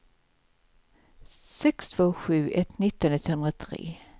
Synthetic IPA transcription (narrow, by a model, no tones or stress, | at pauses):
sɛkst̪ʰv̥oːɧʉ̟ːʔɛt̪ːnɪt̪ːɔnɪt̪ːhɵnɾat̪ʰɾḛː